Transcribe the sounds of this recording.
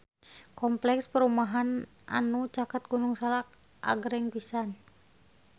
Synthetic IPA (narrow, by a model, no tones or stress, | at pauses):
kɔmplɛkspəɾumaɦan | ʔa̰nut͡ʃakat̪̚ɡunuŋsalak̚ | ʔa̰ɡɾɛŋpisan